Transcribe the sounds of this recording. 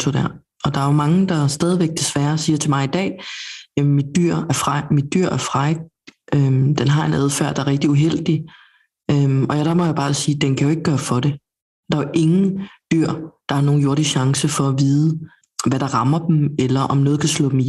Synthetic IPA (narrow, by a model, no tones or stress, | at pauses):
t͡sʰod̥æɐ | ɒ̽d̥ɑ̈æɐjomɑ̈ŋəd̥ɑ̈sd̥ɛːðˠiʋeɡ̥̚d̥e̝sʋæɐsiːɐt͡sʰe̝mɑ̈ɪid̥ɛ̰ːæmid̥̚yɐ̰æɐfʁɑɪmid̥̚yɐ̰æɐfʁɑ̈ɪ | ʔød̥enɦɑ̈e̝næð̞ˠfæɐ̰d̥ɑæɐʁɛɡ̥d̥iuɦel̰d̥i | øɒ̽jæd̥ɑmɒjab̥ɑ̈ːsiːd̥enkʰæjo̝e̝ɡ̥əɡ̥ɶːɐfɒ̽ɾe̝ | d̥ɑ̈ɐʔe̝ŋn̩d̥yɐ̰d̥ɑ̈hɑ̈no̝ːn̩jo̝ɐɾ̥iɕɑ̈ŋsəfɒ̽æʋiːð̞ˠə | ʋæɾ̥ɑ̈ʁɑ̈mɐd̥m̩elɐʔɒ̽mnɔːð̞̩ˠkʰæslɔ̰ːd̥em̩i